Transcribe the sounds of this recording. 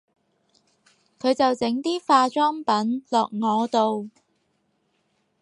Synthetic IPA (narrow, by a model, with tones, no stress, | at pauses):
kʰɵ˨˧ɥt͡sɐ˨wt͡sɪ˨˥ŋt̪iː˥faː˧t͡ʃɔː˥ŋpɐ˨˥nlɔː˨k̚ŋɔː˨˧t̪o˨w